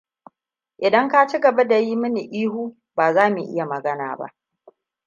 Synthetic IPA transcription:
ʔɪ˨dɐ˦ŋka˦t͡ʃi˦ɡɐ˨ba˦da˨ji˦mɪ˦ni˨ʔiː˦huː˦ | baː˨zaː˦mi˨ʔɪ̰˦ja˨mɐ˨ɡɐ˦na̰ː˨ba̰˦ʔ

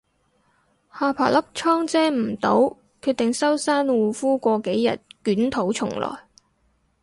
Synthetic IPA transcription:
haː˧pʰa̰ː˨˩lɐ˥p̚t͡ʃʰɔː˥ŋt͡sɛː˥m̩˨˩t̪o˨˥w | kʰyː˧t̚t̪ɪ˨ŋsɐ˥wsaː˥nwuː˨fuː˥kʷɔː˧ke˨˥jːɐ̰˨t̚kyː˨˥nt̪ʰo˨˥wt͡ʃʰʊ˨˩ŋlɔ̰ː˨˩j

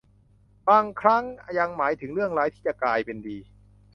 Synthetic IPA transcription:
baː˧˩ŋkʰɾa˦˥ŋa˧ja˧ŋmaː˩˦jt̪ʰɯ˨˩˦ŋɾɯ˥˩əŋɾaː˦jt̪ʰiː˥˩t͡ɕa˨˧˩klaː˧jpe˧ndiː˧

